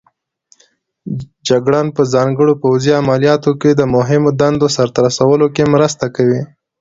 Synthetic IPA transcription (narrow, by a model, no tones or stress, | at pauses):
d͡ʒaɡɽɑnpəzɑŋɡəɽopawziamalijɑt̪oked̪əmʊɦɪmod̪and̪osaɾt̪aɾasawəlokemɾəst̪akawi